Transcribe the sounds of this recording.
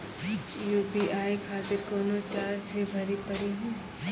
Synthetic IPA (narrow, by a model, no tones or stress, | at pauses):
juːpiʔaːikʰaːt̪ɪɾkoːnot͡ʃaːɾd͡ʒʰʋebʱɐɾipɐɽiɦũː